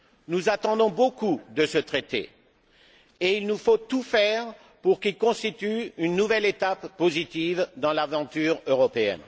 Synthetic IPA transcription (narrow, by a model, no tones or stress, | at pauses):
nuzat̪ɑ̃d̪ɔ̃bokud̪əsət̪χet̪ḛ | eilnufot̪ufɛʁ | puʁkilkɔ̃st̪it̪yynːuvɛlet̪apːozit̪ivd̪ɑ̃lavɑ̃t̪yʁøʁɔpeɛ̰n